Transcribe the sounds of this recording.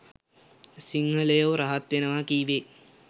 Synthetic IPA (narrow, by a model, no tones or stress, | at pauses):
siŋɦəlejoʋɾaɦat̪ʋenəʋakiːʋe